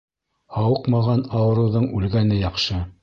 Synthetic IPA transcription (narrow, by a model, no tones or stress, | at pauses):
hɑwɤqmɑʁɑnɑwɤ̆ɾɤ̆wðɤɴʉlɡænɘjɑqʃɤ